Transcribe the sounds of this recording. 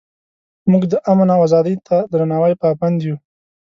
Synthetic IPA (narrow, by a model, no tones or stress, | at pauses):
muɡd̪əʔamanawazɑd̪əjt̪ʰad̪ɾanɑwajpaband̪ju